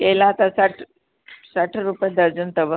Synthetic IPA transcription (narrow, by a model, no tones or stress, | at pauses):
kelaːt̪asaʈʰ | saʈʰɾupjad̪əɾd͡ʑənt̪əʋə